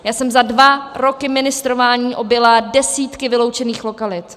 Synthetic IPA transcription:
jaːsɛmzadvaɾokɪmɪnɪst̪ɾo̞vaːɲiːʔo̞bjɛladɛsiːt̪kɪvɪlo̞wt͡ʃɛniːxlo̞kalɪt̪

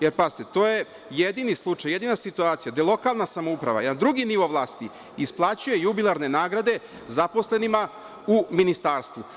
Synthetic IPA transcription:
jeɾpazit̪et̪o̞ːje̞ | jed̪iːnislˠut͡ʃajːe̞d̪iːnasit̪uaːt̪sijad̪elˠo̞kalˠnasamoupɾa̰ʋa̰nad̪ɾuɡiniʋo̞ʋlˠaːst̪i | isplˠaːt͡ɕuje̞jubilˠaɾne̞naːɡɾad̪e̞ | zapo̞sle̞nima | uminist̪aːɾst̪ʋu

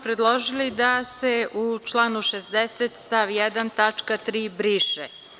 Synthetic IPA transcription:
pɾed̪lˠoʒilid̪aseut͡ʃlˠanuʃesd̪eset̪st̪aʋijɛd̪ant̪at͡ʂkat̪ɾiːbɾiːʃe

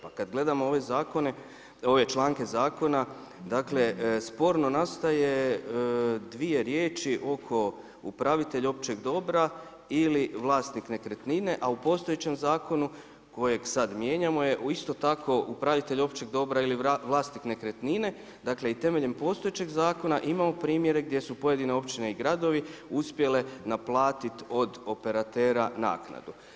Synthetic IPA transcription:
pakad̪ɡle̞d̪amoo̞ʋe̞zaːko̞ne̞ | o̞ʋe̞t͡ʃlˠaːŋke̞zaːko̞na | d̪akle̞spo̞ɾno̞nast̪aje̞ | d̪ʋie̞ɾjeːt͡ʃiʔo̞kʰo̞ | upɾaʋit̪e̞ʎo̞p̚t͡ʃe̞ɡd̪o̞bɾa | iliʋlˠaːst̪nikne̞kɾet̪nine̞ʔaupo̞st̪o̞jet͡ɕe̞mzaːko̞nu | ko̞je̞ɡsad̪mje̞ːɲamo̞je̞ʔuist̪o̞t̪akʰo̞ʔupɾaʋit̪e̞ʎo̞pt͡ɕe̞ɡd̪o̞bɾailiʋlˠaːst̪nikne̞kɾet̪nine̞ | d̪akle̞it̪e̞me̞ʎe̞mpo̞st̪o̞jet͡ɕeɡzaːko̞naʔimamo̞pɾiːmje̞ɾe̞ɡ̚d̪je̞supo̞je̞d̪ine̞o̞pt͡ʃine̞iɡɾad̪o̞ʋiuspje̞le̞naplˠaːt̪it̪o̞d̪o̞pe̞ɾat̪e̞ːɾana̰ːkna̰d̪u

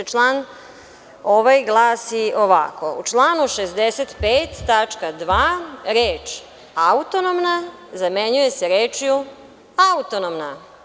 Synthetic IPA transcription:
t͡ʃlˠaːn | o̞ʋajɡlˠaːsio̞ʋa̰ko̞ṵt͡ʃlˠaːnuʃezd̪eset̪peːt̪ːat͡ʃkad̪ʋaːɾeːt͡ʃ | aut̪onomna | zame̞ɲuje̞seɾeːt͡ʃju | aut̪onomna

